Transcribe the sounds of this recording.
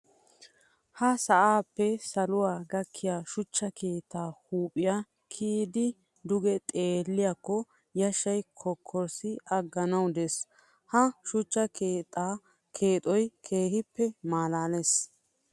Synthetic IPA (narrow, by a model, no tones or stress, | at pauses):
hɐsɐʔaːpːɛsɐlʊwaːɡɐkʰːɪjaːʃʊt͡ʃːɐkʰe̞ːt̪ːaːhuːpʼɪja | kʰiːd̪ɪ | d̪ʊɡɛt̪ʼeːlːɪjaːkːɔ | jɐʃɐjkʰɔkʰːɔɾsɪʔɐɡːɐnɐwd̪ɛs | hɐʃʊt͡ʃːɐkeːt̪ʼa | kʰeːt̪ʼɔjkʰe̞ːhɪpːɛmaːlaːles